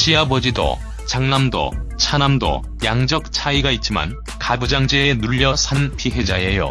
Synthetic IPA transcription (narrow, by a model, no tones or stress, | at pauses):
ɕ͈iabʌd͡ʑido̰ | t͡ɕaŋnamdo̰t͡ɕʰanamdo̰ | jaŋd͡ʑʌk̚t͡ɕʰaiɡait̚t͡ɕ͈ima̰n | kabud͡ʑaŋd͡ʑeenuʎːʌsʰanpiɦe̞d͡ʑaejo̰